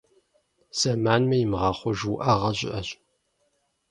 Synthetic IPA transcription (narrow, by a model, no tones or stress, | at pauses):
sɐmaːnmɐjɪmʁɑːχʷɔʒwʔɐʁɐɕʷʼɪ̰ʔɐɕʼ